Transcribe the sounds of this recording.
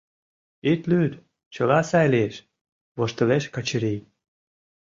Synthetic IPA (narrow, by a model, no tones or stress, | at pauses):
et̪lyd̪ | t͡ɕə̆lɑsɑjleʃ | βoʃt̪ə̆βeʃkɑt͡ɕəɾej